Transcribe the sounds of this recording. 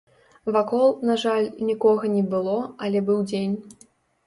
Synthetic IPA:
vakɔlˠnaʐalʲnʲikɔɣɐnʲɛbɨlˠɔɐlʲɛbɨwd͡zʲenʲ

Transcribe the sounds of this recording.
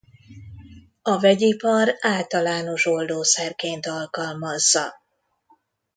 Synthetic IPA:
ɒvɛɟipɒraːlt̪ɒlaːno̞ʃo̞ld̪oːsɛrkeːnt̪ɒlkɒlmɒzːɒ

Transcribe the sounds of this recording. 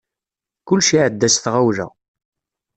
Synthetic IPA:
kʊlʃiʕəd̪ːæsθʁawlæ̰

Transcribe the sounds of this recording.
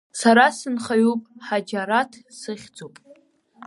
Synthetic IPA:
saɾasɨnχaɥupʼħad͡ʒaɾatʰsɨχʲd͡zupʼ

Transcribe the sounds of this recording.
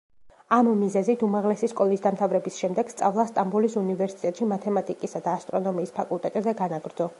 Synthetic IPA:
amːizɛzit̪ʰumaʁlɛsiskʼɔlˠisd̪amt̪ʰavɾɛbisʃɛmd̪ɛɡ̥st̪sʼavlˠast̪ʼambulisunivɛɾsit̪ʼɛt̪ʼʃimat̪ʰɛmat̪ʼikʼisad̪aːst̪ʼɾɔnɔmiːspʰakʼulˠt̪ʼɛt̪ʼzɛɡanaɡɾd̪zɔ

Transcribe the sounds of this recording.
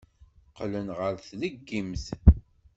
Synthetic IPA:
qlənʁəɾθləɡːimθ

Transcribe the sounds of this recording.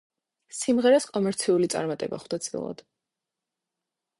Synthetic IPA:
simʁɛɾaskʼɔmɛɾt̪sʰiulit̪sʼa̰ɾmat̪ʼɛba̰χwd̪at̪sʰʼḭlˠa̰d̪̥

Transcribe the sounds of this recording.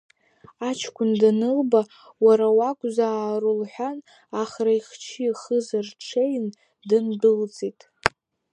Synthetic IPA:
at͡ʃʰkʷʰʊndanɨlba | waɾawakʷʼzaːrɨlħʷᶣan | aχraiχt͡ʃʰiχəzarʈ͡ʂʰejn | dɨndɨlt͡sʼitʼ

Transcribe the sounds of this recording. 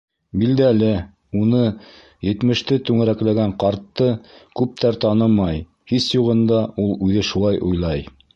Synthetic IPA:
bild̪ælɘ | unɤ | jɘ̆t̪mɘ̆ʃt̪ɘt̪ʉŋæɾæklæɡæɴqɑɾt̪ːɤkʉp̚t̪ʰæɾt̪ɑnɤmɑj | hisjuʁɤ̆nd̪ɑʔulˠʉðɘʃulˠɑjʔujlˠɑj

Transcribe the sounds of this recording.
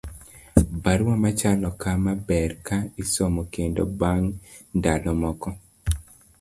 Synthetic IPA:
baɾwamat͡ʃalɔkamabɛrkaisomɔkendo̰baŋndalɔmɔkɔ

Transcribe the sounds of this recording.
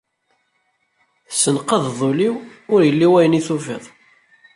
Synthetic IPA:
θsːənqəððˤoliwʊɾjəlːiwæjəniθufɪðˤ

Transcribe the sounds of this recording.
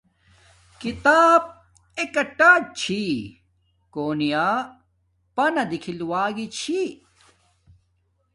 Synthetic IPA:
kit̪aːb̚ | ekɐʈaːt͡ɕʰi | koːnija | pɐnɐd̪ikʰiluwaːɡit͡ɕʰi

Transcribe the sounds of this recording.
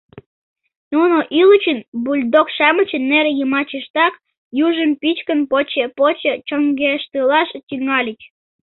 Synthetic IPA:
nunoʔilət͡ɕənbulʲd̪okʃɑmə̆t͡ɕənːeɾejəmɑt͡ɕeʃt̪ɑk | juʒəmpit͡ɕkənpot͡ɕepot͡ɕet͡ɕoŋɡeʃt̪əlɑʃt̪ʲiŋɑlʲit͡ɕ

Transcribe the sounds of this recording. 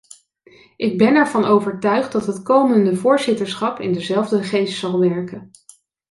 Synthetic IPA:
ʔɪɡ̚bɛnɛɹvɑnowvəɹtœɥχt̚dɑtɦətkowməndəvʊːɹzɪtəɹsχɑpɪ̰ndəzɛlˠvdəχejstsɑlˠʋɛɹkən

